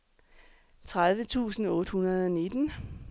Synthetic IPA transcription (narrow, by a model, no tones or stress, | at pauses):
t͡sʰʁaðˠʋət͡sʰṵːsn̩ɔ̽ːd̥hunɐð̞ˠɒne̝d̥n̩